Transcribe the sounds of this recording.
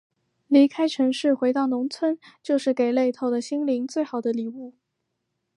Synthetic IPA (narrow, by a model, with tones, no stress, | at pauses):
li˧˥kʰa˥ɪʈ͡ʂʰɤ˧˥ŋʂɻ̩˥˩xwe˧˥ɪt̪ɑ˥˩ʊnʊ˧˥ŋt͡sʰwə˥nt͡ɕjo˥˧ʊʂɻ̩˥˩ke˨˩ɪle˥˧ɪt̪ʰo˥˩ʊd̪ə˩ɕi˥ŋli˧˥ŋt͡swe˥˩ɪxɑ˨˩ʊd̪ə˦li˨˩u˥˩